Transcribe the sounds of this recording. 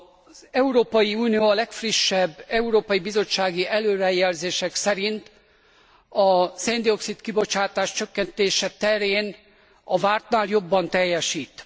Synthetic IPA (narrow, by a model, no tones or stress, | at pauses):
zɛuɾoːpɒjiuːnijoːɒlɛkfriʃːɛbːɛuɾoːpɒjibizo̞t͡ʃːaːɡiʔɛløːɾɛjɛlzeːʃɛksɛɾint̪ | ɒsend̪io̞ksit̪kibo̞t͡ʃaːt̪aːʃt͡ʃøkːɛnt̪eːʃɛt̪ɛɾeːn | ɒvaːrt̪naːljo̞bːɒnt̪ɛjːɛʃiːt̪